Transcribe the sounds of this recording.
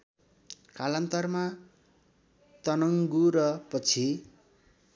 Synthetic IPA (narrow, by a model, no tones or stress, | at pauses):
kalʌnt̪ʌrma | t̪ʌnʌŋɡuɾʌpʌt͡sʰi